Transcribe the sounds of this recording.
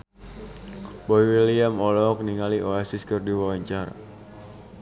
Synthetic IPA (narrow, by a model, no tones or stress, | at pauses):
bɔiwiliamɔlɔk̚niŋaliʔoasɪskɨrdiwawaɲt͡ʃaɾa̰